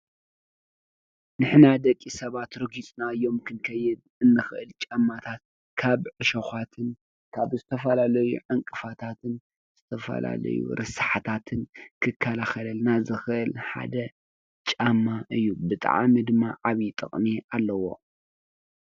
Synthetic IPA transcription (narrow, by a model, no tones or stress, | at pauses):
nɨħnad̪ɐkʼːisɐβat̪ɾɨɡit͡sʼnaɨjːo̞mkʰɨnkʰɐjːɨd̪ | ɨnːɨxʔɨlt͡ʃʼamːat̪ʰat̪̚ | kʰaβʕɨʃoxʷat̪ʰɨn | kʰaβzɨt̪ʰɐfɐlalɐjṵʕaŋkʼɨfat̪ʰat̪ʰɨn | z̥ɨt̪ʰɐfɐ̰la̰lɐ̰jṵɾʔɨsḁħat̪ʰat̪ʰɨnkʰɨkʰːalaxɐlɐlnazɨxɨʔɨlħa̰d̪ɐ | t͡ʃʼamːaʔɨjːubɨt̪ʼa̰ʕmid̪ɨmːaʕaβit̪ʼɨ̰χʼmialːɐwo̞̰